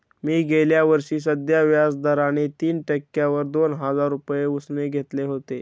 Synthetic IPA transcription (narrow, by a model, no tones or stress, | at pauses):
miːɡʱeljaʋəɾʂiːs̬əd̪jaʋjasd̪əɾañet̪iːnʈəkːjaʋəɾd̪onɦəd͡zaɾːupjeusneɡʱet̪leɦot̪e